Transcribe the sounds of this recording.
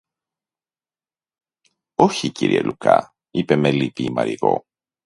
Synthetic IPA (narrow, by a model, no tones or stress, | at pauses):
o̞çiciɾielukɐ | ipe̞melipiːmɐɾiɣo̞